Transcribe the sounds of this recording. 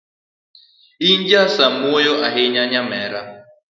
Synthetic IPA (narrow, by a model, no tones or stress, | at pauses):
iɲd͡ʒasamuɔjɔʔaɦeɲaɲamɛɾa